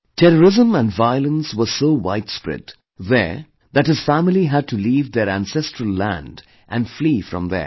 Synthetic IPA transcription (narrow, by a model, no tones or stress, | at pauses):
tʰɛɾəɾɪzə̃mæ̃nɖvaɪəlˠə̃nswəsoːwaɪtspɹɪ̰t | ðɛ̰ɹ | ðæt̚hɨz̥fæmɪliɦæd̚tuliːvðɛɾæ̃nsɛstɹəlːæ̰̃nd | ʔæ̃nfliːfɾʌ̰̃mðə̰